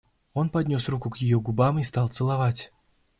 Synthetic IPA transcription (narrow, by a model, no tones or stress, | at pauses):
o̞npɐdʲnʲo̞srukʊkjɪjoɡʊbamist̪ɑlˠt̪sɨlˠɐvatʲ